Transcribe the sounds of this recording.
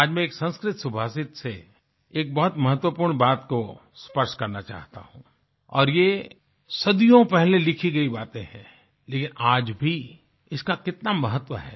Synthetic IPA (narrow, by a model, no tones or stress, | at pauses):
aːd͡ʒmẽeːksɐ̃nskɾɪt̪sʊbʱaːsɪt̪se | eːk̚bɐɦʊt̪mɐɦət̪wəpuːɾɳbaːt̪ko | spɐɾʃkɐɾnat͡ʃa̰ːɦt̪a̰ɦũː | ɔ̰ːɾje | sɐd̪ijõpɛɦlelɪkʰiɡɐibaːt̪ẽɦɛ̰̃ | leːkɪnaːd͡ʒbʱi | ɪskakɪt̪namɐɦət̪ːwəɦɛ̰ː